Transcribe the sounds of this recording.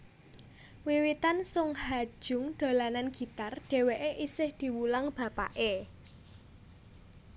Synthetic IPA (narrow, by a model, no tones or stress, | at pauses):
wiwit̪ansʊŋhḁʒ̥ʊ̤ŋɖ̪̥o̤lananɡ̥i̤t̪arɖ̥e̤weʔeʔisɪhd̪̥i̤wulaŋb̥ä̤pa̰ʔe